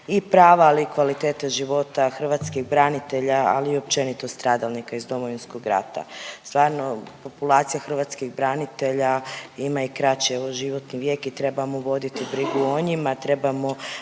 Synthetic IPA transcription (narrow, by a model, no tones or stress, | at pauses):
ipɾaːʋaːlikʋalit̪eːt̪eʒiʋo̞t̪axr̩ʋat̪skiɣbɾanit̪e̞ʎaa̰liːo̞p̚t͡ʃe̞nit̪ost̪ɾaːd̪alˠnikaizd̪o̞moʋinskoɡɾa̰t̪a̰st̪ʋaːɾno̞po̞pulˠat̪sijaxr̩ʋat̪skiɣbɾanit̪e̞ʎaimaikɾat͡ʃieʋoʒiʋo̞t̪niʋje̞ːkit̪ɾe̞bamoʋo̞d̪it̪ibɾiɡuoɲimat̪ɾe̞bamo̞